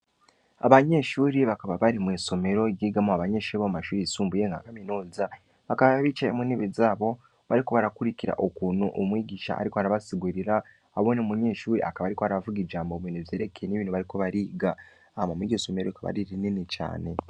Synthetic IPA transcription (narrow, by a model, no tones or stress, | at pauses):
aβaɲe̞ʃuːɾiβakaβaβaɾimwiːso̞me̞ɾo̞ɟiːɡamoaβaɲe̞ʃuːɾiβoumaʃuːɾisuːmbujeŋɡa̰kaminuːza | βakaβaβaβiːt͡ʃajḛmuniβizaːβo̞ | βaɾiko̞βaɾakuɾiciɾa̰ʔokuːnuʔomwiːɟiʃa̰ːɾikoaɾaβasiɡuɾiɾaː | βo̞ːnemuɲe̞ːʃuːɾia̰kaβaːɾikoaɾaβavuɡid͡ʒaːmboβiːnevje̞ːɾe̞kejeniβiːnhuβaɾiko̞βaɾiːɡa | amamwiɟiso̞me̞ɾoikaβa̰ɾiɾininit͡ʃa̰ːne̞